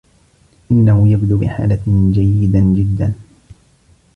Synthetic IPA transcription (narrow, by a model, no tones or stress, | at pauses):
ʔɪnːahʊjabd̪uːbɪ̰ħa̰ːlad͡ʒajːɪd̪d͡ʒɪd̪ːan